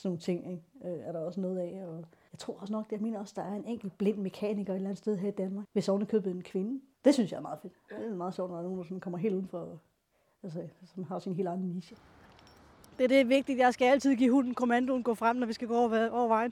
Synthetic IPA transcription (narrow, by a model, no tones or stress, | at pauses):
snoːn̩t͡sʰe̝ŋ̰eɡøæɐɾɑ̈ɒ̽sənɔ̽ːð̞̩ˠɛɒjɑɪt͡sʰʁo̝ɐ̰ɒ̽sənɒ̽ɡ̥d̥ejɑ̈ɪme̝̰ːnɐɒ̽sd̥ɑ̈æɐe̝neŋ̰ɡ̥l̩b̥le̝n̰̥me̝kʰɛ̰ːniɡ̥ɐed̥lænð̩ˠsd̥eð̞ˠɦæɐid̥ænmɑ̈ːɡ̥ʋe̝sɒʊnəkʰøb̥əenkʰʋe̝nəd̥e̝synsjɑ̈ɐmɑ̈ːð̩ˠfe̝d̥mɑ̈ð̩ˠɕɔ̰ʊ̰̥nɒdɑ̈no̝ːnd̥sɔ̽nkʰɒ̽m̰ɐe̝̰ːlduðˠn̩fɒ | ælsəsɒmhɑ̈sinɦe̝ːld̥ɑ̈ɪn̩ˠniɕə | d̥e̝ɐd̥e̝ʋe̝ɡ̥̚d̥id̥jɑ̈ɪsɡ̥ææl̰t͡sʰið̞̰ˠɡḭːhunn̩kʰo̝mænd̥onɡ̥ɔ̰̽ːfʁam̰nɒʋisɡ̥æɡ̥ɔ̰ːʋæɒʊɐʋɑ̈ɪ̰n